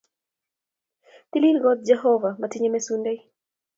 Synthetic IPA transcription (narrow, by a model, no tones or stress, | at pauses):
t̪ililɡɔt̪̚d͡ʒɛɦɔvamatiɲemesundei